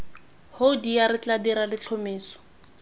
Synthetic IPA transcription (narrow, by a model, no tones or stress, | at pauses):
hodijaɾɪt͡ɬadiɾalɪt͡ɬʰɔmeːsɔ̥